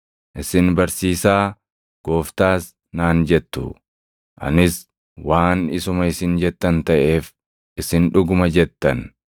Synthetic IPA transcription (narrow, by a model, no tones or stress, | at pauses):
ʔɪsɪnbɐɾsiːsaː | ɡ̥o̞ːft̪aːs | naːnd͡ʒɛt̪ːʊ̰ | ʔɐ̰nɪs | waːnɪsʊmɐɪsɪnd͡ʒɛt̪ːɐnt̪ɐʔe̞ːf | ʔɪsɪnᶑʊɡʊmɐd͡ʒɛt̪ːɐn